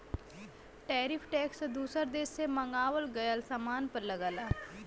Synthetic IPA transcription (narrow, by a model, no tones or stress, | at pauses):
ʈɛːɾɪpʰʈɛːksd̪uːsəɾd̪eːsseməŋɡaːʋəlɡəjəlsamaːnpəɾləɡaːlaaː